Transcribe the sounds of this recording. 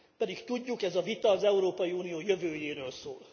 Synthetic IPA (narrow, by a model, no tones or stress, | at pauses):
pɛd̪ikt̪uɟːukɛzɒvit̪ɒːzɛuɾoːpɒjiuːnijoːjøvøːjeːɾøːlso̰ːl